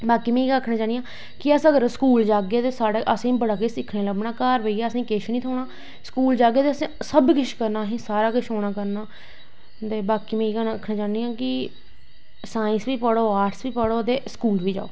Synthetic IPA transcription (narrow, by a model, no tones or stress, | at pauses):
baːkiːmẽːaːkʰnaːt͡ʃãːnijãː | kɪəsəɡəɾskuːld͡ʒaːɡeːt̪eːsaːɽaʔəsẽːbəɽaːkesɪkʰneːləbnaːkaːɾʋəiːɡaːsĩːkɪʃniːt̪ʰoːɽaː | skuːld͡ʒaːɡeːt̪eːəsẽːsəbkɪʃkəɾnaːɦĩːsaːɾaːkɪʃoːɽaːkəɾnaː | t̪eːbaːkiːmẽːkːkʰnãːt͡ʃaːnijãːkɪ | saːɪ̃nsʋiːpəɽoːaːɾʈsʋiːpəɽoːt̪eːskuːlʋiːd͡ʒa̰ːoː